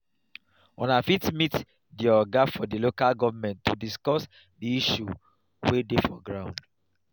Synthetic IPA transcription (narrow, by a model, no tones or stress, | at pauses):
ɔ̰̃nafitmit | diɔɡafɔdilokalɡɔvamɛ̃ntːudiskɔs | diiʃṵ | wedefɔɡɹãʊ̃nd